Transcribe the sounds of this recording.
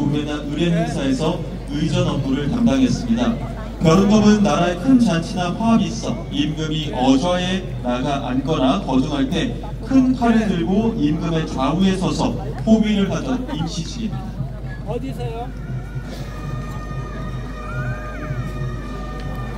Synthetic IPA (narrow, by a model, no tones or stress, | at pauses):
oenaʔɯɾe̞ɦeŋsʰae̞sʰʌ | ɯjd͡ʑʌnʌmɡuɾɯɭtamdaŋɦe̞s͈ɯmɲida | pjʌɾonɡʌbɯnːaɾaekʰɯnt͡ɕant͡ɕʰinapʰaɦamiːs͈ʌ | imɡɯmiʔʌd͡ʑʌe | naɡaʔanɡʌɾakʌd͡ʑuŋɦaɭt͈e̞ | kʰɯnkʰaɾedɯɭɡoimɡɯme̞t͡ɕaue̞sʰʌsʰʌɸobiɾɯɭpad͡ʑʌn̚imɕʰid͡ʑʰiɡemida